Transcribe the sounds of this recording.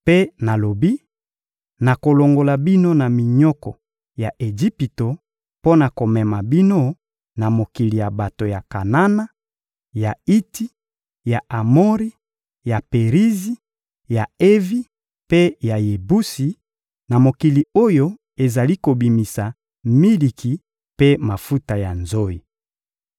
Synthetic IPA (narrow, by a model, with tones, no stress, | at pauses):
pe˦na˨lo˨bi˦ | na˨ko˨lo˨ŋɡo˨la˨bi˦no˦na˨mi˨ɲɔ˦kɔ̰˨ | ja˨ʔe˨d͡ʒi˦pi˨to˨ | po˦na˨ko˨mɛ˨ma˨bi˦no˦ | na˨mo˨ki˨li˨ja˨ba˨to˨ja˨ka˨na˦na˦ | ja˨i˦ti˦ | ja˨a˨mo˦ʁi˦ | ja˨pe˨ʁi˦zi˦ | ja˨e˦vi˦ | pe˦ja˨je˨bu˦si˨ | na˨mo˨ki˨li˨o˦jo˦ | e˨za˨li˦ko˨bi˨mi˨sa˨ | mi˦li˨kʰi˨ | pe˦ma˨fu˦ta˨ja˨nzo˦i˨